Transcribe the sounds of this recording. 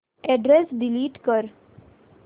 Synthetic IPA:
ɛɖɾesɖiliːʈkəɾ

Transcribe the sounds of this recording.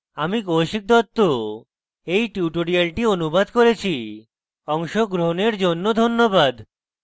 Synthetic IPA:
amikoʃik̚d̪ɔt̪ːo | ejʈuʈoɾialʈionubad̪koɾet͡ɕʰi | ɔŋʃoɡɾoɦoneɾd͡ʑonːod̪ʱonːobad̪

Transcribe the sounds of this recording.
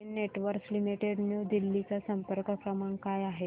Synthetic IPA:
neʈʋəɾkslimiʈeɖnjuːd̪ilːit͡sasəmpəɾkəkɾəmaɳkajaɦe

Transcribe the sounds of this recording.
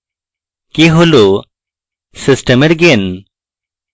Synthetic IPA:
keɦolo | sisʈəmeɾɡen

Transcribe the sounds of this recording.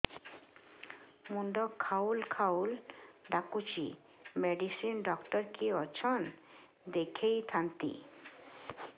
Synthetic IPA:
muɳɖɔkʰaulkʰawlɖakut͡ʃʰi | meɖisinɖɔkʈɔɾkiɔt͡ʃʰɔn | d̪ekʰejt̪ʰant̪ḭ

